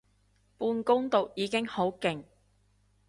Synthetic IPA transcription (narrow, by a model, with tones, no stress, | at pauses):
puː˧nkʊ˥ŋt̪o˨wjiː˨˧kɪ˥ŋho˨˥wkɪ˨ŋ